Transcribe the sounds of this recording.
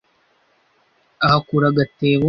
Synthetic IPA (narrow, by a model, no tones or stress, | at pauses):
ɐɦɐkuɾɐɡɐt̪ːeːʋu